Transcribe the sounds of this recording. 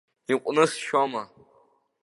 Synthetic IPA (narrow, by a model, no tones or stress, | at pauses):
iqʷʼnɨsʃama